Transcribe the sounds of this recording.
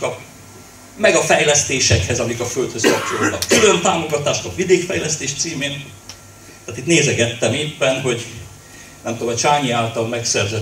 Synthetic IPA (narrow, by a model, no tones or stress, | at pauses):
kɒ | mɛɡɒfɛjlɛst̪eːʃɛkhɛzɒmikɒfølt̪høskɒpt͡ʃolɒkkylø̞nt̪aːmo̞ɡɒt̪aːʃt̪ɒvid̪eːkfɛjlɛst̪eːʃt̪siːmeːn | t̪aːt̪it̪neːzɛɡɛt̪ːɛmeːpːɛnɦo̞ɟ | nɛmt̪oːmɒt͡ʃaːɲiaːlt̪ɒlmɛksɛrzɛ